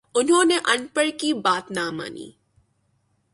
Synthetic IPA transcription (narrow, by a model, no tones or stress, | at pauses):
ʊnɦõːneʔɐnpəɽkibaːt̪naːma̰ːnḭː